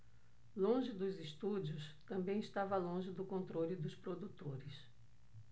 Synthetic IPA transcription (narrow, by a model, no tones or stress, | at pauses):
lõʒɪd̪ʊzɪst̪ud͡ʒiʊst̪ɐ̃mbẽj̃iʃt̪avɐlõʒɪd̪ʊkõnt̪ɾolɪd̪ʊspɾod̪ut̪oɾɪs